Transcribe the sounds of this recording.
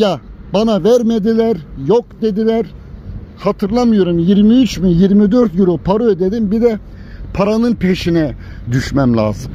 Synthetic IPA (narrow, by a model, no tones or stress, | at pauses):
jabanavæɾmed̪ilʲæɾjokd̪e̞d̪ilʲæɾ | hat̪ʰɯɾlˠamɯjo̞ɾumjiɾmiyt͡ʃminjiɾmid̪øɾt̪ɡyɾopʰaɾod̪e̞d̪imbid̪ɛ | pʰaɾanɯnpʰeʃinɛ | d̪yʃmæmlʲa̰ːzɯm